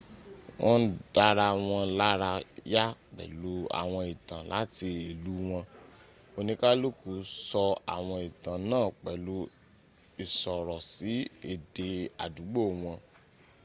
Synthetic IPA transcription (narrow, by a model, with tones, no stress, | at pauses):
wɔ̃˦n̩˦d̥a˧ɾa˧w̃ɔ̃˧˦la˦ɾa˧ja˦k͡pɛ̰˨lu˨˦a̰˨w̃ɔ̃˧i˨tã˨la̰˨˦ti˧e˨lu˨˦w̃ɔ̃˧ | o˧nĩ˧ka˦lu˦ku˨˦sɔ˧a̰˨w̃ɔ̃˧i˨tã˨nãː˦˨k͡pɛ˨lu˧˦ | i˨sɔ˨ɾɔ˨si˨˦e˨de˨a̰˨du˨˦ɡ͡bo˦˨w̃ɔ̃˧